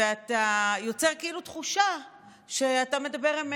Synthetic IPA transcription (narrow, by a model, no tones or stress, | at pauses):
eatajo̞t͡se̞ʁkeilutχuʃa | ʃe̞atame̞dabe̞ʁim